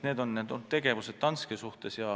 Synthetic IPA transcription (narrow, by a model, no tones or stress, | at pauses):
ne̞ːd̪o̞nːed̪ot̪t̪ːe̞ɡe̞vuse̞t̪ːɑnskesuht̪e̞sjɑ